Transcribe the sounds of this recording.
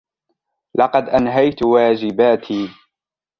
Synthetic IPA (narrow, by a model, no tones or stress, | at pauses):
lɑqɑd̪ʔanɦajt̪waːd͡ʒɪbaːt̪ʰiː